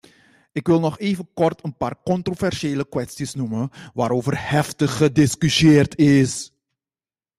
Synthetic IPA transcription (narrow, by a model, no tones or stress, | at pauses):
ɪkʋɪlˠnɔχeːvənkɔrtənpaːrkɔntrovɛrʃeːləkʋɛstisnuməʋaːɾoːvərhɛftəxədɪskysjeːrtʰɪs